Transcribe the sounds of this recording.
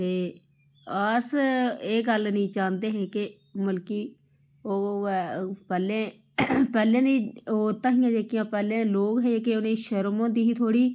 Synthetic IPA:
t̪eː | aːɾseːɡəlnĩːt͡ʃãːnd̪eːɦeːkɪ | məlkiː | oː | pɛːlẽː | pɛːlẽːd̪iːoːt̪ãːɦĩːjãːd͡ʒeːkɪjãːpɛːlẽːloːkɦɛːeːkɪonẽːʃəɾmõːd̪iːɦiːt̪ʰoːɽiː

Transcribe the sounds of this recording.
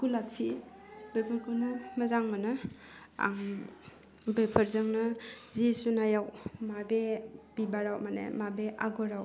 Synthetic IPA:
kulapʰi | bepʰaɾkʰɯnumɐzaŋmanɯ | a̰ŋ | bepʰəɾzɯŋnɯzisunajawmabeb̥ibaɾawmanḛmabeʔaɡɔɾaw

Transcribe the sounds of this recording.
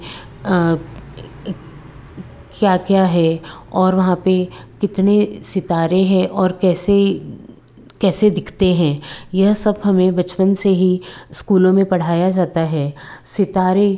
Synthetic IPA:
kjaːkjaːɦɛɔːɾʋɐɦãpekɪt̪nesɪt̪aːɾeɦɛ̃ʔɔːɾkɛːse | kɛːsed̪ɪkʰt̪eɦɛ̃ːjɐɦsɐbɦɐmẽbɐt͡ʃpənseɦiskuːlõmẽpɐɽ̤aːjad͡ʒaːt̪aɦɛːsɪt̪aːɾe

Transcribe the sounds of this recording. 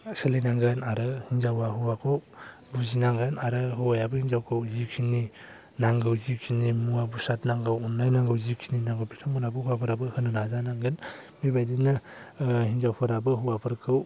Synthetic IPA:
selenaŋɡɯnaɾɯhinzawahuwakʰɯw | buzinaŋɡɯnaɾɯɦɯwajabɯhinzawkʰɯwzikʰini | naŋɡɯwzikʰinimuabusat̚naŋɡawunːajnaŋɡɯwzikʰininaŋɡɯwpʰitʰɔŋmɯnabɯhuwapʰɯɾabɯhɯnɯnazanaŋɡɯn | mibajdinɯ | hinzawpʰɯɾabɯɦuwapʰɯɾkʰɯw

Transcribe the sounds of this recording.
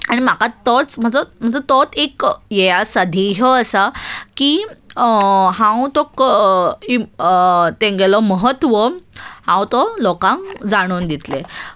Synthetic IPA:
aɽ̃im̤akat̪ɔt͡sm̤əɳd͡zəm̤əɳd͡zət̪ɔt̪ekjejasad̪ʱiɦəəsaki | ɦãwt̪ɔk | t̪eŋɡelɔməɦət̪ʋəhãwt̪ɔlokãŋkd͡zaɽ̃und̪it̪le

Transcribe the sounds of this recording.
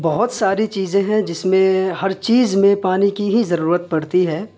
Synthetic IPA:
bɐɦʊt̪saːɾit͡ʃiːzẽɦɛ̃d͡ʒɪsmẽhɐɾt͡ʃiːzmẽpaːnikiɦizɐɾuːɾət̪̚pɐɽt̪iɦɛː

